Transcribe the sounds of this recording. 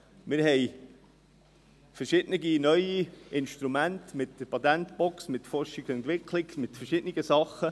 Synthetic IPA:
mɪɾhɛɪ | fəɾʃɪd̥nəɡinœʏiɪnʃtɾumæntmɪtd̥əɾpɑt̪æntbɔksmɪtfɔɾʃɪɡɛnt̪ʋɪkʰlɪɡmɪtfəɾʃɪdniɡəsɑχːə

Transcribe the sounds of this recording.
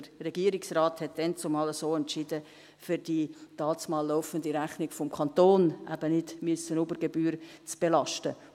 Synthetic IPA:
ərɛɡiːəɾɪksraːthɛt̚d̥ɛnt͡sʊmɑːləsoːɛntt͡ʃɪdə | fʏɾd̥iːtɑːt͡smɑːlːoʊfəndiɾæχnɪkfɔmkʰɑnt̪oːnʔæ̰bənɪdmysənubəɾɡebyːɾt͡sb̥elɑʃtə

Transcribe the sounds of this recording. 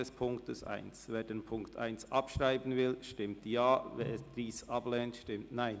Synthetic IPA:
ɛspʰʊŋktəsʔa̰ɪnsveːdeːnpʰʊŋktʰʔa̰ɪnsʔɑpʃʁaɪbən̩vɪlʃtɪmtjaːvḛːd̥iːsʔɑblɛːntʃtɪmtnaɪn

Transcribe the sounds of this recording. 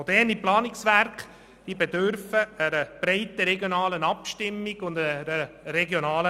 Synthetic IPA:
od̥̪ɛrniplɑːnɪksʋærk | d̥iːbedøɾfəəɾəb̥ɾɛɪtəɾɛɡjonɑːlənɑpʃtɪmːiɡ̥ʊndəɾɾəɾɛɡjonɑːlə

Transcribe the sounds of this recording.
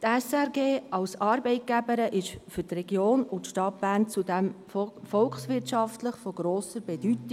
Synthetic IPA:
t̪ɛsɛɾɡeːɑlsɑːɾbɛɪt̚ɡ̥æbəɾəʔɪʃfyɾtrɛɡjoːnʊtʃtɑt̚b̥æːɾnt͡sudɛm | fɔlkχsʋɪtʃɑftləχfɔɡ̥ɾoːsəɾbɛd̥yti

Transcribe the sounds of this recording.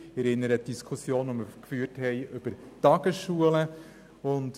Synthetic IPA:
ɛɾɪnːəɾət̚d̥iskʰusjoːnʋoməɾkfyːrthɛɪʔʏb̥əɾ | tɑɡ̥əsʃuːələ | ʊnt

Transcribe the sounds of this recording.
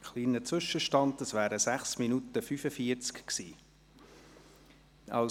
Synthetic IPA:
χliːnət͡sʋʏʃəʃtɑntəsvæːɾəsæχsminutəfyfəfiːəɾt͡skksiː | ɑ̰

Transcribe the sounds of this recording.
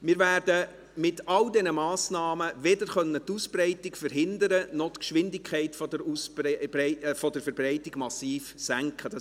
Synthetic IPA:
mɪɾvæːɾdə | mɪtɑldɛnəmɑːsnɑːməʋɛdəɾχœnːətuspɾɛɪtɪɡfəɾɦɪndəɾənɔt̪kʃʋɪndɪkʰχɛɪtfɔdəɾus | fɔdəɾfəɾbɾɛɪtɪɡ̥mɑsiːfsæŋkχəd̥ɑ

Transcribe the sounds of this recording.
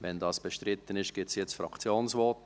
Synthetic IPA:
vɛndɑːsb̥eʃtɾɪt̪ːənɪʃɡ̥ɪtsjɛt͡sfrɑ̰kt͡sjoːnsvɔːt

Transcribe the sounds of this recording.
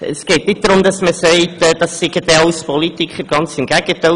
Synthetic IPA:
ə̰sɡ̥ɛːtnɪt̚d̥̪ɾʊmdɑsməsɛɪtɛːd̥ɑsːɪɡ̥ədɛɑʊspɔlitɪkχəɾɡ̥ɑnt͡sɪmɡ̥æɡ̥əta

